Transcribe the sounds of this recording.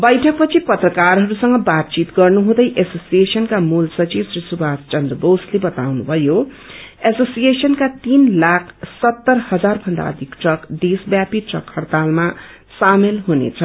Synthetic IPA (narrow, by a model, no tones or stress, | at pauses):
bʌjʈʰʌk̚pʌt͡sʰipʌt̪rʌkarɦʌɾusʌŋɡʌbat̪̚t͡sit̪ɡʌrnuɦũd̪ʌjʔesosijesʌnkamulsʌt͡sibsrisubʱast͡ʃʌnd̪rʌbowslebʌt̪awnubʱʌjo | esosijesʌnkat̪inlakʰsʌt̪ːʌrhʌd͡zarbʱʌnd̪a̰ʌ̰d̪ʱikʈrʌkd̪esbjapiʈrʌkhʌrt̪alma | samelɦunḛt͡sʰʌ